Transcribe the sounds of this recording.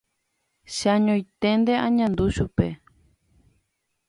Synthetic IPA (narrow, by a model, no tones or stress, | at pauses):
ʃaɲõĩt̪end̪eãɲãnd̪uʃupe